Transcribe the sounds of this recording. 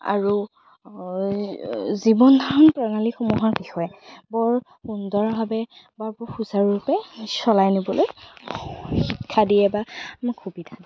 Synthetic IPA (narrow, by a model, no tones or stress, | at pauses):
a̰ɹu | zibɔndʱanpɹaŋalixɔmɔɦaɹbixɔjɛbɔɹ | xundɔɹbʱabɛ | baɹbɔxuzaɹːupɛsɔlajnibɔloj | xikʰːadijɛbamɔxʰubidʱadi